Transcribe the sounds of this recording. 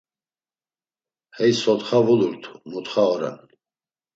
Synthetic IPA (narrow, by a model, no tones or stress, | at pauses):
hɛjsɔt̪χavuluɾt̪ʰu̥mut̪χaɔɾa̰n